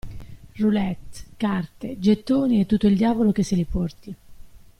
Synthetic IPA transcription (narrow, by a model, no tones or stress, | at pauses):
rulɛt̪ːkart̪ed͡ʒet̪ːoːniɛt̪ːut̪ːoild̪jaːvolok̟esːelipɔrt̪i